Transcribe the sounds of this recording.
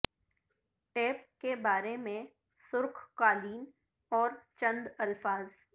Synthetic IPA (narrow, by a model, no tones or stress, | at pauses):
ʈeːpkebaːɾemẽ | sʊɾkʰkaːliːn | ɔːɾt͡ʃə̃nd̪ɐlfaːz